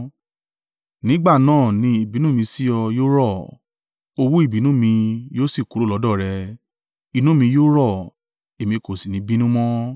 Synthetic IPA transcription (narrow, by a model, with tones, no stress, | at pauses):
nĩ˦ɡ͡ba˦˨nãː˦˨nĩ˧˦i˦˨bi˨˦nũ˦mĩ˧si˦ɔ˧joː˦ɾɔ˦˨ | o˧wu˦i˦˨bi˨˦nũ˦mĩ˧joː˦si˦˨ku˨˦ɾo˦lɔ˨˧˦dɔ˦˨ɾɛ˧ | i˨˧nũ˨˦mĩ˧joː˦ɾɔ˦˨ | e˨mĩ˧ko˨si˨nĩ˨˦bi˦nũ˦mɔ̃˦